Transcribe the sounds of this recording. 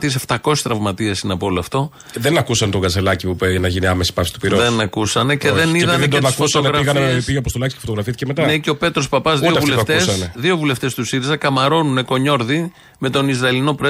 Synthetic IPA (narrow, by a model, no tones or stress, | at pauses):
t̪iseft̪ɐko̞si̥st̪ɾɐvmɐt̪iesineɐpoo̞loɐft̪o̞ | ðenɐkusɐnt̪oɡɐselɐcipupenɐʝiniɐmesi̥pɐfsi̥t̪u̥piɾoðenɐkusɐne̞ce̞ðe̞niðɐenɐskfosɐɣɾɐiɣɐnepiʝɐpost̪olɐksi̥ce̥fot̪oɣɾɐfiθi̥cemet̪ɐneceo̞pe̞t̪ɾo̞spɐpɐzðiovuleft̪esɐneðio̞vule̞ft̪e̞st̪usiɾizɐkɐmɐɾo̞nune̞ko̞ɲo̞ɾði | me̞t̪o̞nizɾɐlino̞pɾe